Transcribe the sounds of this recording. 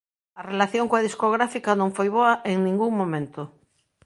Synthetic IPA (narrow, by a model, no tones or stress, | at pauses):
ɐrelaθjoŋkõaðiskoɣ̞ɾafikɐnõŋfojβoɐʔeŋnĩŋɡuŋmõmẽnt̪o